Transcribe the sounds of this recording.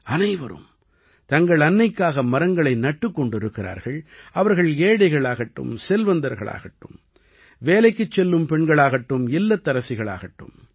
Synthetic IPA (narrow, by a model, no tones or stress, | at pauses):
ɐnɐɪʋɐ̰ɾɯ̰m | t̪ɐŋɡɐɭɐnːɐɪkːaːɣɐmɐɾɐŋɡɐɭɐɪnɐʈːɯkːɔɳɖɪɾɯkːɪɾa̰ːɾɣɐɭʔɐʋɐɾɣɐɭeːɽɐɪɣɐɭaːɣɐʈːɯ̰msɛlʋɐnd̪ɐɾɣɐ̰ɭa̰ːɣɐʈːɯm | ʋeːlɐɪkːɯt͡ʃːɛlːɯmpɛɳɡɐɭaːɣɐʈːɯmɪlːɐt̪ːɐɾɐsɪɣɐɭa̰ːɣɐʈːɯ̰m